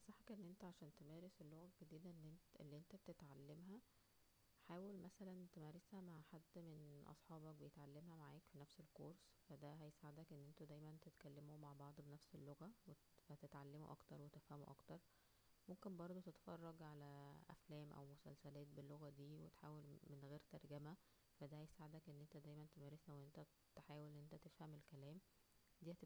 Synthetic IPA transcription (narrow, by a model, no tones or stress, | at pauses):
sˤɑħækʔenːʔent̪æʕaʃæːnt̪emæːɾeselːoɣæɡ̥ed̪iːd̪ælːenʔḛlːiʔent̪æbet̪et̪ʕalːemɦæ | ħaːwelmæsælænt̪emæɾeshæmaʕħad̪ːmenʔɑ̰sˤħɑːbɑk̚bejet̪ʕalːemhæmaʕaːkfinæfselkoɾs | fæd̪æɦæjesaʕed̪ækʔenːʔent̪æd̪æjmænt̪et̪kælːemomaʕbɑʕd̪ˤbenæfselːoɣæwe | fæt̪et̪ʕalːemo̰ʔɑkt̪ɑɾˤwet̪efhæmoʔɑkt̪ɑɾˤ | momkenbɑɾˤd̪ˤot̪et̪fɑrˤːɑɡʕalæʔæ̰flæːmʔæ̰wmosæ̰lsælæːt̪̚belːoɣæd̪iːwḛt̪ħaːwelmenɣeːɾt̪ɑɾˤɡæmæ | fæd̪æhæjesaʕed̪ækʔenːʔent̪æd̪æjmænt̪emæːɾesæweʔent̪æ | t̪ħaːwelnːʔent̪æt̪efhæmelkælæːm | d̪iːhæt̪e